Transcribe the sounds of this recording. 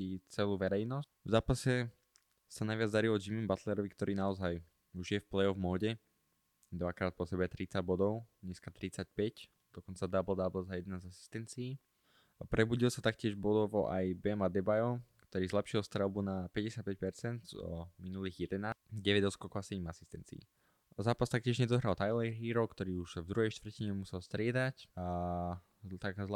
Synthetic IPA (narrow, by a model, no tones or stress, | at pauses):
it͡sɛluːʋɛɾɛjnɔs | vzaːpasɛ | sanajʋɪad͡zd̪aɾilɔd͡ʒimimbat̪lɛɾɔʋikt̪ɔɾʔiːnaɔzaj | uʒjɛfplɛɔvmɔːɟɛ | d̪ʋakɾaːt̪̚pɔsɛbɛt̪ɾit͡saɟ̚bɔd̪ɔʊɲɛskat̪ɾit͡sac̚pɛc | d̪̥ɔkɔnt͡sad̪abl̩d̪abl̩zajɛd̪nazasi̥st̪ɛnt͡siiː | pɾʔɛbuɟilsat̪akcɪɛʒbɔd̪ɔʋɔʔajbɛmad̪ɛbajɔkt̪ɔɾiːzlɛpʃilst̪ɾɛlˠbunapɛɟɛsɪjat̪̚pɛc̚pɛɾt͡sɛnd̪zɔ̰minuliːɣjɛd̪ɛnaːɟɛʋɛɟɔskɔkɔasɛɟɛmasist̪ɛnt͡siḭ | zaːpast̪ak̚cɪɛʒɲɛd̪ɔɦɾalˠt̪ajlɛɦiːɾɔkt̪ɔɾiːuʃvd̪ɾuɦɛjʃt̪ʋr̩ciɲɛmusɛlˠst̪ɾɪɛd̪aca | t̪aɡzl